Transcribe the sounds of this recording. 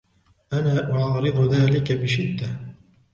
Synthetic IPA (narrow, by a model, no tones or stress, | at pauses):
ʔanaːʔʊʕɑːɾɨd̪ˤʊðaːlɪkabɪʃɪd̪ːa